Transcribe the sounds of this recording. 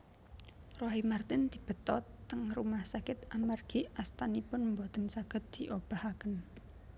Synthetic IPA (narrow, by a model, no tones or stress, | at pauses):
roɦimart̪ɪnd̪̥i̤b̥ə̤t̪ɔt̪ːəŋrumahsakɪt̪amarɡ̥iʔast̪anipʊnmbot̪ənsaɡ̥ə̤t̪̚d̪̥i̤ʔob̥ahakən